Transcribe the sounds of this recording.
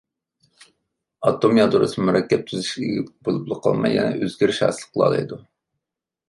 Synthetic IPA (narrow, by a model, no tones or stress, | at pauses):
ɑt̪ʰːomjɑd̪oɾɨ̰smɨmyɾɑkʲːɛp̚t̪ʰyzɪʃɡʲiɡʲibolˠuplˠʊqʰɑ̰lˠmɑjːɛ̰nɛ̰ʔøzɡʲyɾʃhɑ̰ːsɨlˠəqʰəlˠɑ̰lˠɨ̰jd̪u